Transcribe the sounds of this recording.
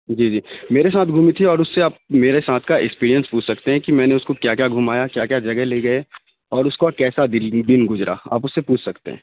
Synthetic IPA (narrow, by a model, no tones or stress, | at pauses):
d͡ʒiːd͡ʒiːmeːɾesaːt̪ʰɡʱuːmit̪ʰiɔːɾʊsːeaːp̚meːɾesaːt̪ʰkaɪ̰kspiːɾijə̃nspuːt͡ʃʰsɐkt̪eɦɛ̃kimɛ̃ːneʊskokjaːkjaːɡʱuːmaːjakjaːkjaːd͡ʒɐɡɛɦleːɡɐe | ɔːɾʊskokɛːsad̪ɪd̪ɪnɡʊzɾa̰ːa̰ːpʊsːepuːt͡ʃʰsɐkt̪ḛɦɛ̰̃ː